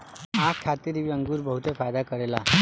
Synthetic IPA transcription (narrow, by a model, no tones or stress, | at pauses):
akʰːat̪iːɾiʋiəŋɡuːɾbəɦut̪efajd̪akəɾela